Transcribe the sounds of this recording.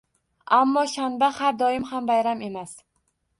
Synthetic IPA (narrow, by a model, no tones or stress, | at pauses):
amːɒʃanbahaɾd̪ɒɪmhambajɾame̞mas